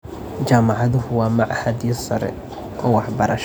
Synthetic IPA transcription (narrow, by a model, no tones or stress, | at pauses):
t͡ʃaːmɑʕɑðʊɦʊwɑːmɑʕɑhɐd̪jɐsɐɾɛ̰ | ʔɔːwɑħbɐɾɐʃ